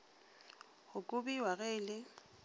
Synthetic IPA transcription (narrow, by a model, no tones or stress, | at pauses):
hʊkʼʊbiwaɣeːlɪ